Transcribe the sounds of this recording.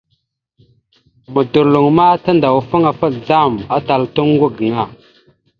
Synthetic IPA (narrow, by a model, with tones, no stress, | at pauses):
mə˨du˨ɾlu˨ŋma˦ta˦nda˨wfə˦ŋa˨fə˦d͡za˦ma˦ta˨ltu˦ŋ˦ɡʷu˦ɡə˨ŋa˨